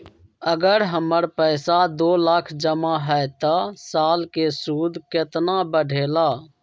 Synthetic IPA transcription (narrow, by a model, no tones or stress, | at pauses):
əɡəɾɦəməɾpəːsad̪oːləkʰd͡ʒəmaːɦɛɛt̪əsaːlkesuːd̪kɪt̪nabəɖʱeːlaː